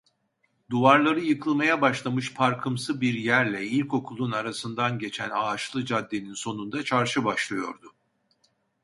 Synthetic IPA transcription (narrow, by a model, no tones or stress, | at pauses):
d̪uvaɾlˠaɾɯjɯkʰɯlˠmajabaʃlˠamɯʃpʰaɾkʰɯmsɯbiɾjæɾlʲɛilʲko̞kʰulˠunaɾasɯnd̪anɟe̞t͡ʃʰænaːt͡ʃlˠɯd͡ʒad̪ːeninso̞nund̪at͡ʃʰaɾʃɯbaʃlˠɯjo̞̰ɾd̪ʊ